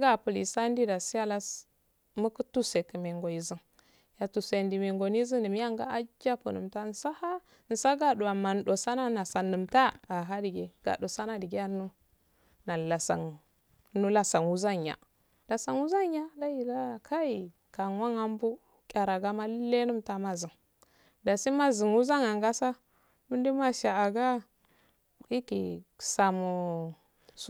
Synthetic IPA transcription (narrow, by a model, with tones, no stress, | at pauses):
ɡa˦˨pu˨li˨sa˦n˦di˦da˨si˦ja˦la˦s | mu˦kə˦tu˦se˨kə˨me˨ŋɡo˨i˨zi˦ŋ | ja˨tu˨se˨ndi˨me˨ŋɡo˨ni˦zi˦ndi˨m˦ja˦ŋɡa̰˦a˦d͡ʒa˦pṵ˨nu˨mta˦n̩˨sa˦ha˦ | n̩˨sa˦ɡa˦du˨a˨ma˨n˨ɗo˨sa˦na˦na˨sa˨nːu˨mta˦a˨ɦa˦di˨ɡe˨ɡ̥a̰˨do˨sa˦na˦di˨ɡe˦a˦nu˦ | na˨la˨sa̰˨n˦ | nu˦la˨sa˨ŋwu˦za˦ɲ˨a̰˨ | la˨sa˨ŋwu˦za˦ɲ˦a˦da˦ji˨la˦˨kʰa˦i˨ | ka˨ŋwa˦ŋa˦mbu˦ | kʲʼa˨ɾa˨ɡa˦ma˦le˦nu˦mta˦ma˨zi˨ŋ | da˨si˦ma˦zi˨ŋwu˦za˦ŋa˨ŋɡa˦sa˦ | mi˦ndi˦ma˦ʃa˨a˨ɡa˦ | i˦kḭ˨sa˨mu˨˦